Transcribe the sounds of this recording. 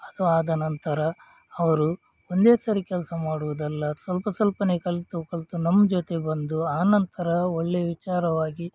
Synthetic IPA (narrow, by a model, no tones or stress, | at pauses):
ɐd̪uaːd̪ɐnɐnt̪ɐɾɐ | ɐʋɐɾu | ond̪e̞ːsɐɾikʲɛlsɐmaːɽuʋud̪ɐlːɐsʋɐlpɐsɐlpɐnekɐɭt̪ukɐɭt̪unɐmːɐd͡ʒoːt̪e̞bɐnd̪uaːnɐnt̪ɐɾɐoɭːeʋit͡ʃaːɾɐʋaːɡi